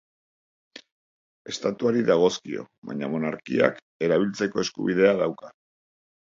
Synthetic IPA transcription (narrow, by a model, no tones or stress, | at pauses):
e̞st̪at̪uaɾiðaɣ̞o̞skio̞̰βa̰ɲa̰mo̞naɾkḭa̰k | e̞ɾaβ̞ilt͡se̞ko̞e̞skuβiðe̞aðawka